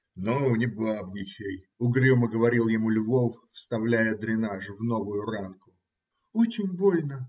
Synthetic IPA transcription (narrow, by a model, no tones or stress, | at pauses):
nonʲɪblˠabnʲɪt͡ɕʲej | ʊɡɾʲuməɡəvɐɾʲilˠjɪmulʲvo̞ffst̪ɐvlʲæjəd̪ɾʲɪnaʐɨvno̞vʊjʊrankʊ | ot͡ɕɪnʲbolʲnə